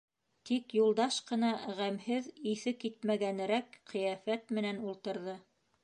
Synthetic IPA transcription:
t̪ikjulˠd̪ɑʃqɤ̆nɑʁæmhɘðiθɘkːit̪mæɡænɘ̆ɾækqɤ̆jɑfæt̪mɘ̆nænulˠt̪ɤ̆ɾðɤ

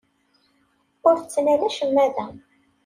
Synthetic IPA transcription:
ʊɾθt͡sːnælæʃəmːæðæ

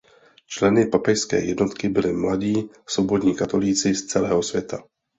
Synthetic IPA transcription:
t͡ʃlɛnɪpapɛjskɛ̰ːjɛdno̞t̪kɪbɪlɪmladiː | sobodɲiːkat̪o̞liːt͡sɪst͡sɛlɛːɦo̞svʲjɛt̪ʰa

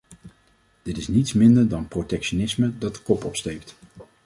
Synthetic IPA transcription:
d̥ɪtɪsnitsmɪndəɹdɑnprotɛkʃonɪsmədɑt̚dəkɔpɔpstejpt

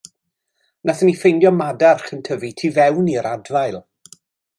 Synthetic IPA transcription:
nʔaθənifejnjɔmadarχəntʰəvitʰiːvɛwniəɾadvajlˠ

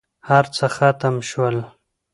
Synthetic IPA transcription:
haɾt͡səxat̪əmʃwəl

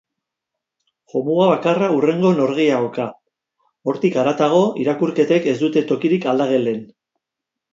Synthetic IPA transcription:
ʝo̞muɣaβakaraure̞ŋɡo̞no̞ɾɣ̞iaɣoka | o̞ɾt̪ikaɾat̪aɣ̞o̞iɾakuɾke̞t̪eke̞zd̪ut̪e̞t̪o̞kiɾikald̪aɣ̞e̞le̞n

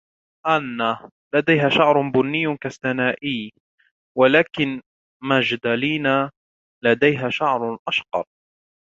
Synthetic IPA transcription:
ʔanːa | lad̪ajɦaːʃaʕɾˤbʊnːɪjːʊkastanaːʔɪː | walaːkɪn | mad͡ʒd̪aliːna | lad̪ajɦaːʃaʕɾˤʔaʃqɑ̰ɾˤ

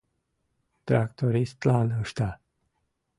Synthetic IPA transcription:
t̪ɾak̚t̪oɾist̪lanəʂt̪a

